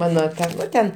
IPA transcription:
ˈmɑːnoː ˈtɐ ˈnʊ tʲɛn

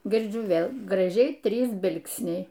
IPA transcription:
ɡʲɪrʲˈd͡ʒʲʊ ˈʋʲeːlˠ ɡrɐˈʒʲɛɪ ˈtʲrʲiːs ˈbʲɪlˠksʲnʲɛɪ

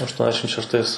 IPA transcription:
ɐʃˈtuɔnʲɛzʲdʲɛʃʲɪm ʃʲɛʃˈtɐɪs

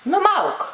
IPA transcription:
nʊˈmɐʊk

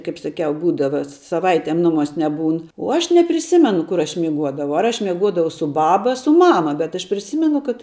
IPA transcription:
ˈkɐɪp sɐˈkʲɛʊ ˈbuːdɐʋɐ sɐˈʋɐɪtʲeːm ˈnʊˌmuɔsʲ nʲɛˈbuːn uɔ ˈɐʃ nʲɛpʲrʲɪˈsʲɪmʲɛnʊ ˈkʊr ɐʃ mʲɪˈɡuɔdɐʋɐʊ ɐr ˈɐʃʲ mʲiɛˈɡuɔdɐʋɐʊ sʊ ˈbɑːbɐ ɐ sʊ ˈmɑːmɐ bʲɛt ɐʃ pʲrʲɪˈsʲiːmʲɛnʊ kɐt

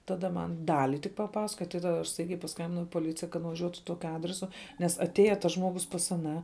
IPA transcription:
tɐˈdɐ ˈmɐn ˈdɑːlʲɪ tʲɪk pɐˈpɑːsɐkoːjɛ tɐt tɐˈdɐ ɐʃ ˈstɐɪɡʲɛɪ pɐˈskɐmʲbʲɪnɐʊ ɪ poːˈlʲɪt͡sʲɪjɛ kɐt nʊʋɐˈʒʲuɔtʊ ˈtoːkʲʊ ˈɑːdʲrʲɛsʊ nʲɛs ɐtʲˈeːjɛ tɐs ˈʒmoːɡʊs pɐs ɐˈnɑː

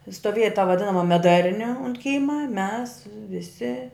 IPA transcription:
stoːˈʋʲeːjɛ tɐ ʋɐˈdʲɪnɐmɐ mʲɛˈdɐrʲnʲɪ ʊnt ˈkʲiːmɐ mʲɛs ʋʲɪˈsʲɪ

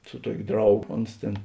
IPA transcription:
sʊ ˈtuɔkʲ ˈdrɐʊˌɡoː ˈoːns tʲeːn

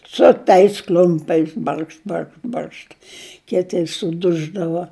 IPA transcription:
sʊ tɐɪs ˈklʲʊmʲpʲɛɪs ˈbɐrkʃt ˈbɐrkʃ ˈbɐrʃt ˈkʲɪtʲɪ sʊˈdʊʒdɐʋɐ

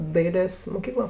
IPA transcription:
ˈdɐɪlʲeːs moːˈkʲiːklˠoː

